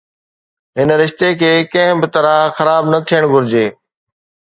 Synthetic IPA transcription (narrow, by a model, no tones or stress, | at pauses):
ɦɪnɾɪʃt̪ekʰeːkɐ̃ɦɪ̃bɪt̪ɐɾãxɐɾaːbnɐt̪ʰijəɽ̃ɡʱʊɾɪd͡ʑeː